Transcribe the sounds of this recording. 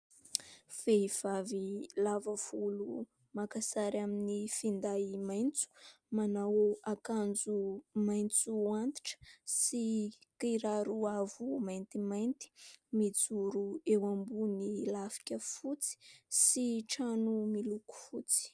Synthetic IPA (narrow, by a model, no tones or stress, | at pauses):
v̥eiv̥avilavəvulu | makasaɾaminifind̪aimajnt͡su̥ | manawoakand͡zumajnt͡suant̪i̥ʈ͡ʂə̥sikiɾaɾuavumajnt̪imajnt̪i̥mid͡zuɾuewambunilafi̥kʲəfut͡si̥siʈ͡ʂanumiluku̥fut͡si̥